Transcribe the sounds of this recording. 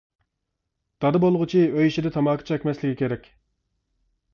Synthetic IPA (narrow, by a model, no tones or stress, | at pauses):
d̪̥ɑd̪ɨbolˠʁʊt͡ʃʰiøjʃid̪ɪt̪ʰɑmɑːkʰi̥t͡ʃʰɑɛkʲmɛslɪkʲikʲeɾɛkʲ